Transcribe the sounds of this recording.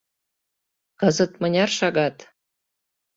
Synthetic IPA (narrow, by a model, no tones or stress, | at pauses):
kɤ̆zɤ̆t̪mə̆nʲɑrʃɑɣɑt̪